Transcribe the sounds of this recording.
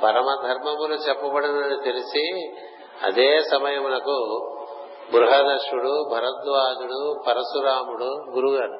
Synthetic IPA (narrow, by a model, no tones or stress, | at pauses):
pɐɾɐmɐd̪ʱɐɾmɐmulut͡ʃɐpːɐbɐɽɐnɐnːit̪ilisi | ɐ̰d̪eːsɐmɐjɐmunɐku | bɾuɦɐd̪ɐʂuɽubʱɐɾɐt̪ʋaːd͡ʒuɽupɐɾɐsuɾaːmuɽuɡuɾuɡɐɾ